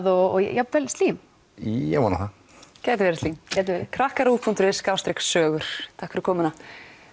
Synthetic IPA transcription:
ðɔ̰javɛlst̪liːm | jɛ̰vɔna̰ɦa | cɛːt̪ɪvɛɾɪst̪liːmcɛt̪̬vɛːɾɪkʰɾahkaɾuːpʰunt̪ʏɾɪskaːwst̪ɾɛkssœːɣʏɾ̥t̪ʰahkɾʏkʰɔːmʏna

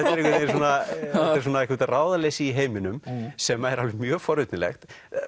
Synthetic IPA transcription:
ɛt̪ɛɾekvɛt̪es̬onaɛs̬unaɛhkvɛt̪ːraːwðalejsiːɦeːjmɪnʏmsɛmɛɾalvɪmjœːɣfɔɾʏt̪nɪlɛ̰xt̪

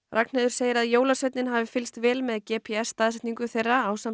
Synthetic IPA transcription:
rʔaknɛðʏɾseːjɪɾaðjoːwlasvɛt̪nɪnɦavɪfɪlst̪vɛːlmɛðcɛpʰiɛsːt̪aːðsɛht̪niŋkʏθejrːaawsam

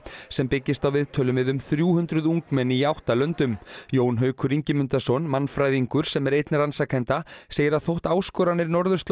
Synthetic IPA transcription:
sɛmpɪcːɪst̪awvɪðt̪ʰœːlʏmvɪðʏmθɾjuːhʏnt̪ɾʏðuŋkmɛnːiiawht̪alœnt̪ʏmjoːwnɦœɥkʰʏɾiɲcɪmʏnt̪asɔnmanfɾajðiŋkʏɾ̥sɛmɛɾejt̪nɪransakʰɛnt̪aseːjɪɾaðθowht̪aːwskɔɾanɪɾnɔɾðʏst̪l

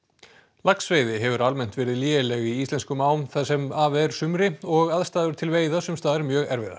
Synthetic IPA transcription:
laksveːjðɪɦɛvʏɾalmɛn̥t̪vɛːɾɪðliːɛlɛɣiist̪ɛnskʏmaːwnθaðsɛmaːvɛɾ̥sʏmɾɪɔɣaðst̪aːðʏɾ̥t̪ʰɪlveːjðasʏmst̪aːðaɾmjœːɣɛɾvɪða̰

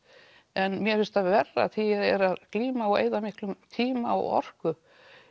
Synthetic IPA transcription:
ɛnmjɛfɪlst̪aðvɛrːa̰θiðɛɾaðkliːmaɔḛjðamɪhklʏmt̪ʰiːmaɔ̰ɔ̰r̥kʏ

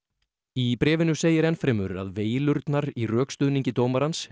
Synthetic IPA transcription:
ipɾɛːvɪnʏseːjɪɾɛnfɾɛːmʏɾa̰ðveːjlʏɾt̪naɾirœːkst̪ʏðniɲcɪt̪oːwmaɾans

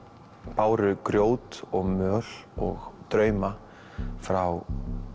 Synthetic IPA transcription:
paːwɾʏkɾjoːwt̪ɔɣmœːlɔ̰ɣt̪ɾœːɥma | fɾaw

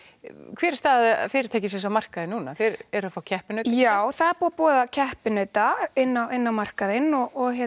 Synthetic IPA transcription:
kʰv̥ɛːɾɪst̪aːðfɪːɾɪ̥t̪ʰajcɪsɛsamar̥kaðɪnːuːnafɛɾɛɾʏafaːwcʰɛhpɪnœːtjaːwθaðɛɾpuːapɔːðacʰɛhpɪnœɥt̪aɪnːawɪnːawmar̥kaðɪnɔɣɔɣçjɛ

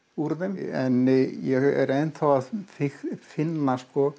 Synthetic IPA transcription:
uɾðɛmɛnːjɛɛ̰ɾejnθawaðfɪxfɪnːaskɔ

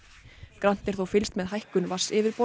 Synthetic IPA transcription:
kɾan̥t̪ɛɾ̥θowfɪlst̪mɛðɦajhkʏnvḁsɪvɪɾpo

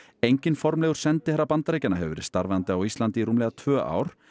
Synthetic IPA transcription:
ejɲcɪnfɔɾmlɛːɣʏɾ̥sɛnt̪ɪhɛɾːapant̪ɾeːjcanːaɦɛvʏɾɪ̰̥st̪aɾvɛant̪ɪawist̪lant̪ɪiɾuːmlɛɣat̪ʰv̥œːʔa̰ːwɾ̥

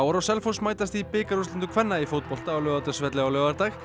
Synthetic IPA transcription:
waɾɔsɛlfowsmaːjt̪ast̪ipɪːkaɾut̪lɛnt̪ʏkʰvɛnːaifoːwt̪̚pɔl̥t̪aaːwlœvat̪ʏ̥svɛt̪lɪawlœvaɾt̪ax

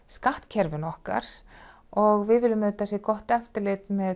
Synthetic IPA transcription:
skaht̪cʰɛɾvʏnɔhka̰ɾ̥ | ɔɣvɪðvɪlːʏmt̪asjɛkɔht̪ɛft̪ɪɾlɪt̪mɛ

